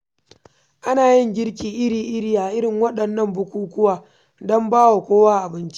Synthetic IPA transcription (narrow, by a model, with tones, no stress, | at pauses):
ʔa˦naː˨jɪ˦ŋɡʲɪ˦ɽk̬ʲiː˨ʔɪ˦ɽiː˨ʔɪ˦ɽiː˦aː˨ʔɪ˦ɽɪ˨ŋwɐ˦ɗɐ˨nːɐ˦mbʊ˦kʷuː˦kʷʊ˦waː˨ | dɔ˦mbaː˦wa˨kʷoː˦waː˦ʔa˨bɪ˦nt͡ʃi̥˦ʔ